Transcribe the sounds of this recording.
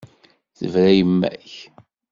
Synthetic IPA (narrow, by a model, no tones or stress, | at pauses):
θə̰vɾæjəmːæ̰ç